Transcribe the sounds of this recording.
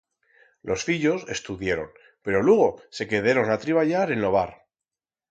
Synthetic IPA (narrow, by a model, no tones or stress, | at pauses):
lʔo̞sfiʎo̞se̞st̪uðjeɾo̞̰n | pe̞ɾo̞lweɣ̞o̞se̞ke̞ðaɾo̞nat̪ɾiβ̞aʎaɾe̞nlo̞β̞aɾ